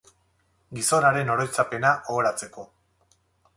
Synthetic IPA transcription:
ɡiso̞naɾe̞no̞ɾo̞jt͡sape̞naʔoːɾat͡se̞ko̞

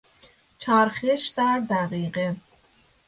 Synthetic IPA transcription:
t͡ʃʰæɾxeʃd̪æɾd̪æɢiːɢe

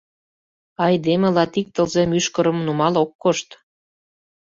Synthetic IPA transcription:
ɑjd̪emelɑt̪ik̚t̪əlzemyʃkə̆ɾə̆mnumɑlokːoʃt̪

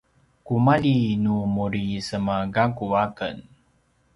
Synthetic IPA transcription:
kumaʎinumuɾisəmaɡakuakə̰n

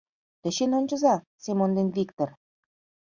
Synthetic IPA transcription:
t̪ə̆ɕenonʲt͡ɕə̆zɑ | semond̪envikt̪or

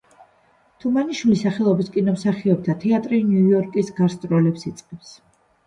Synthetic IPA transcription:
t̪ʰumaniʃwulisaχɛlˠɔbiskʼinɔmsaχiɔb̚t̪ʰat̪ʰɛat̪ʼɾinjujɔɾkʼisɡaɾst̪ʼɾɔlɛpsit̪sʼqʼɛps

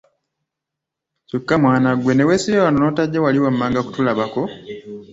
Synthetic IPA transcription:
sukːamwaːnaɡwe̞ne̞wesijowanonoːtaɟːewaliwamːaːŋɡaku̥tulaβako̞

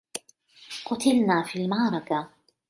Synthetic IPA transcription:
qʊt̪ɪlnaːfiːlmɑʕɾˤɑka

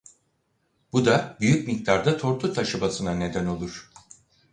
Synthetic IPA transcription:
b̥ud̪abyjycmic̚t̪ʰaɾd̪at̪ʰo̞ɾt̪ʰut̪ʰaʃɯbasɯnane̞d̪æno̞lˠuɾ̝̥

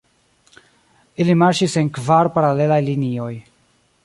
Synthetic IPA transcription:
ilimaɾʃise̞nkvaɾpaɾale̞lajlinio̞j

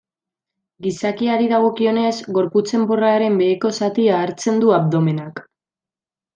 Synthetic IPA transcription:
ɡisakiaɾiðaɣ̞o̞kio̞ne̞zɣo̞ɾput͡se̞mboraɾe̞mbe̞ːko̞sat̪iaːɾt͡se̞nd̪uaβd̪o̞me̞nak

